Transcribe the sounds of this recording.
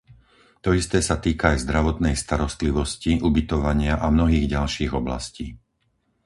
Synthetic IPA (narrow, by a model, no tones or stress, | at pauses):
t̪ɔist̪ɛːsat̪iːkaːjzd̪ɾaʋɔt̪nɛjst̪aɾɔst̪liʋɔsciʔubit̪ɔʋaɲɪaʔamnɔɦiːɣɟalʃiːɣɔbla̰sciː